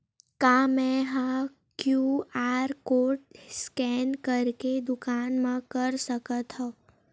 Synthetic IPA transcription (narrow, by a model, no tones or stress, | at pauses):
kamɛ̃ɦã | kjuaɾkoʈ̚skɛnkəɾked̪ʊkanmãkəɾsəkət̪ɦɔ̃